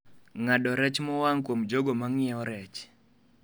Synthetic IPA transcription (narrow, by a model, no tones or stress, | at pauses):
ŋaɗɔɾɛt͡ʃmɔwaŋkwomd͡ʒoɡomaŋɪɛɔɾɛt͡ʃ